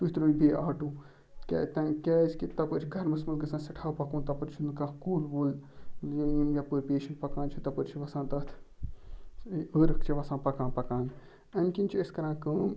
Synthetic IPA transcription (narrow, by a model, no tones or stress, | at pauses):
t̪ut̪ɾuːbʱeːaːʈũː | kɛ̰t̪ɐkɛːskit̪ɐpəɾt͡ʃʰiɡʱɐɾmɐsmɐlkɐsãːsɐʈʰaːwpɐkũːnt̪ɐpəɾt͡ʃʰinkãːkuːlbuːlijinɡʲaːpəːɾpeːʃɐɳʈpɐkãːnt͡ʃʰut̪ɐpəɾt͡ʃʰiʋɐsãːnt̪ɐt̪ʰ | əɾɐkʰt͡ʃʰiʋɐsãːpɐkãːnpɐkãːn | ɐnkinʲt͡ʃʰiɐskɐɾãːnkəːm